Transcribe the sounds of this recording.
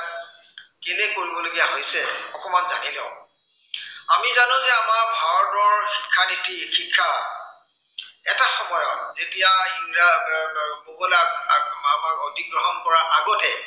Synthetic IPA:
kelekoɹibɔloɡijaɦojsɛɔkɔmanza̰nilɛ̰ʊ | amizanʊ̃zɛamaɹbʱaɹɔt̚bɔɹxikʰːanitixikʰːa | ɛtaxɔmɔjɔ̰tzetijainɹa | kokɔlakamaotiɡɹɔɦɔnpɔɹaʔaɡɔtɛ

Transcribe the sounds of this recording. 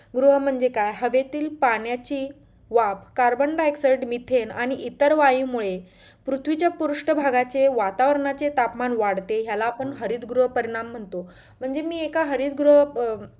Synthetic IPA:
ɡɾuɦəm̤əɳd͡zekajɦəʋet̪iːlpaɳjat͡ɕiː | ʋabkaɾbəɳɖaeksəjɖmit̪ʰenaɽ̃iʔit̪əɾʋajĩmuɭe | pɾut̪ʰʋit͡ɕjapuɾuʂʈəbʱaɡat͡seʋat̪aʋəɾɳat͡set̪apmanʋaɽt̪eɦjalaːpəɳɦəɾiːd̪ɡɾuɦəpəɾiɽ̃am̤ːəɳt̪o | m̤əɳd͡zemiːekaɦəɾiːt̪̚ɡɾuɦə

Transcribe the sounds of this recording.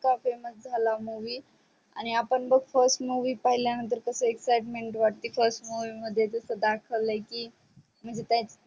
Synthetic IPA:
kafemət͡sd͡zʱalamuʋiː | a̰ɽ̃iapəɳbəɡfəɾsʈmuʋiːpaɦiljanənt̪əɾkəsəeksajʈmeɳʈʋaʈ̚t̪iːfəɾsʈmuʋiməd̪ʱːjet̪əsəd̪akʰəʋləkiː | m̤əɳd͡zet̪jat͡s

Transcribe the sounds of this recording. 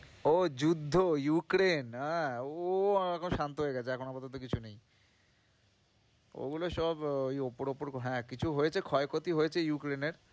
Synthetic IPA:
od͡ʑud̪ʱːojukɾenɦɛ̃oɛkʰonoʃant̪oɦoeɡɛt͡ɕʰeɛkʰonapat̪ot̪̬okit͡ɕʰunej | o̰ɡuloʃɔbojopoɾopoɾɦɛ̃kit͡ɕʰuɦojet͡ɕʰekʰɔekot̪iɦojet͡ɕʰejukɾeneɾ

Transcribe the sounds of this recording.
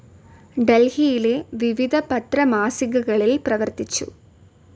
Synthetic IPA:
ɖɛlhijɪleːʋɪʋɪðɐpɐt̪ɾɐmaːsɪɣɐɣɐɭɪlpɪɾɐʋɐɾt̪ɪt͡ʃːṵ

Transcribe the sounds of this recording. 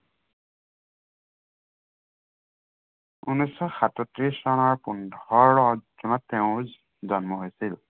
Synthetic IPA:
unɔjsɔxatɔtɹisɔnɔɹpundɔɹɹɔzunɔtːɛʊ̃ | zɔnmɔɦojsil

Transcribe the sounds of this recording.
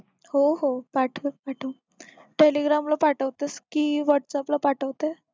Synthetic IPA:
hoɦopaʈʰəpaʈʰə | ʈeliɡɾamləpaʈəʋt̪eskiːʋəʈsaplapaʈəʋt̪e

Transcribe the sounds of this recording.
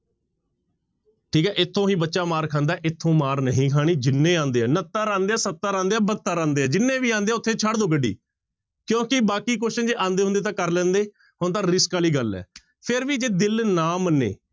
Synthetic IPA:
ʈʰiːkɛːʔɪt̪ʰːõːɦĩːbətːʃaːmaːɾkʰãːnd̪aːʔɪt̪ʰːõːmaːɾnəɦĩːkʰaːɽ̃iːd͡ʒɪnːẽːãːnd̪eːɛːnət̪ːaːɾãːnd̪eːɛːsət̪ːaːɾãːnd̪eːɛːbət̪ːaːɾãːnd̪eːɛːd͡ʒɪnːẽːʋiːãːnd̪eːʊt̪ʰːeːt͡ʃʰaɽd̪õːɡəɖːḭː | kjõːkɪbaːkiːk̬oːʃəd͡ʒeːãːnd̪eːɦʊ̃nd̪eːt̪ãːkəɾlɛ̃ːnd̪eː | ɦʊnt̪̬ãːɾɪskaːliːɡəlɛ̰ː | pʰɪɾʋiːd͡ʒeːd̪ɪlnaːmnḛː

